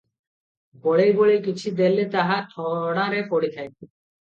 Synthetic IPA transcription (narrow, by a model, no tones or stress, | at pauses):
boɭejboɭejkit͡ɕʰid̪elːet̪aɦat̪ʰɔɽaɾefoɽit̪ʰaj̪i